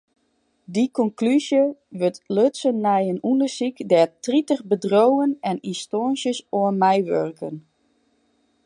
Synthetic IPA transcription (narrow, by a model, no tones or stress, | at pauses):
dikɔŋklyzjəʋøtløtsənːɛjənundəsikdɛtritəχbədrowənɛnistonsjəsoənmɛjʋørkʰən